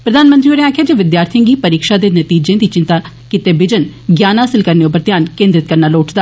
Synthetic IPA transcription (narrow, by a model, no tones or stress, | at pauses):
pɾəd̪ʱaːnmənt̪ɾioɾẽaːkʰjaːd͡ʒeːʋɪd̪jaːɾt̪ʰijãːɡiːpəɾiːkʃaːd̪eːnət̪iːd͡ʒẽːd̪iːt͡ʃɪ̃nt̪aː | kɪt̪eːbɪd͡ʒənɡjaːnɦaːsɪlkəɾneʊp̬ːəɾt̪jaːnkẽːnd̪ɾɪt̪̚kəɾnaːloːʈd̪aː